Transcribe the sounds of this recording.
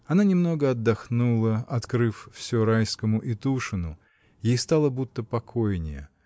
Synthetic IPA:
ɐnanʲɪmno̞ɡəɐd̪ːɐxnulˠəɐt̪kɾɨffsʲuɾajskəmʊʔit̪uʂɨnʊ | jejst̪alˠəbut̪ːəpɐkʰojnʲɪjə̰

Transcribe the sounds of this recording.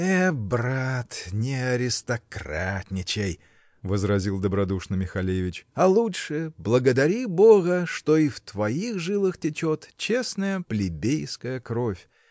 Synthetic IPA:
ɛbɾat̪nʲɪɐɾʲɪst̪ɐkrat̪ʲnʲɪt͡ɕej | vəzɾɐzʲilˠd̪əbɾɐd̪uʂnəmʲɪxɐlʲevʲɪt͡ɕɐlˠutʂɨblˠəɡəd̪ɐɾʲibo̞ɣəʂt̪o̞ift̪vɐixʐɨlˠɨxtʲɪt͡ɕo̞t̪t͡ɕe̞snəjəplʲɪbʲejskəjəkɾo̞fʲ

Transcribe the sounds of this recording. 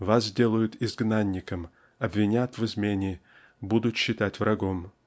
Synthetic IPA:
vaszʲdʲe̞lˠəjʊt̪ɪzɡnanʲːɪkəm | ɐbvʲɪnʲat̪vɨzmʲenʲɪ | bud̪ʊt̪ɕːɪt̪atʲvɾʔɐɡo̞m

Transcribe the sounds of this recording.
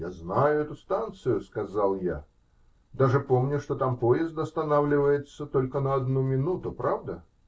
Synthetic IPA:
jaznajʊɛt̪ʊst̪ant̪sɨjʊskɐzalˠja̰ | d̪aʐɨpomnʲʊʂt̪ot̪ampojɪst̪ɐst̪ɐnawlʲɪvəjɪt̪sːət̪olʲkənəːd̪numʲɪnut̪ʊpɾavd̪ə

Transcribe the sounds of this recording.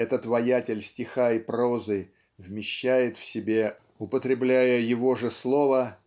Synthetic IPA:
ɛt̪ət̪vɐjætʲɪlʲsʲtʲɪxaipɾozɨ | vmʲɪɕːæjɪt̪fsʲɪbʲe̞ | ʊpət̪ɾʲɪblʲæjəjɪvo̞ʐɨslˠo̞və

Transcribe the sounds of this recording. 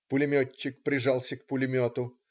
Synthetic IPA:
pʊlʲɪmʲot͡ɕːɪk̚pɾʲɪʐalˠsʲəkpʊlʲɪmʲot̪ʊ

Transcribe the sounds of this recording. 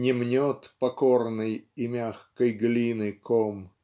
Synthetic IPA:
nʲɪmnʲot̪pɐkornɨjimʲaxkəjɡlʲinɨjkʰom

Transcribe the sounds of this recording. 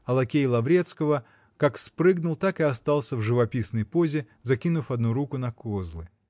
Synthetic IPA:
ɐlˠɐkʲejlˠɐvɾʲet̪skəvə | kakspɾɨɡnʊlˠt̪akɨɐst̪alˠsʲəvʐɨvɐpʲisnəjpozʲɪ | zɐkʲinʊfɐd̪nuɾukʊnɐkozlˠɨ

